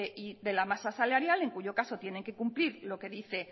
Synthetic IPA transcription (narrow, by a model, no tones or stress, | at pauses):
eʔiðe̞lamasasalaɾjale̞ŋkuʝo̞kaso̞t̪je̞ne̞ŋke̞kumpliɾlo̞ke̞ðiθe̞